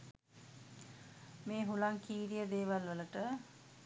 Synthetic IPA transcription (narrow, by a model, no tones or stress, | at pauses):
meːɦulaŋkiːɾijəd̪eːʋalʋələʈə